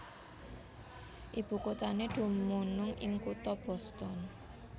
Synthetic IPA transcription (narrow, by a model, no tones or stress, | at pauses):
ʔib̥ṳkot̪aneɖ̪̥ṳmunʊŋɪ̰ŋkut̪ɔb̥ɔ̤st̪ɔn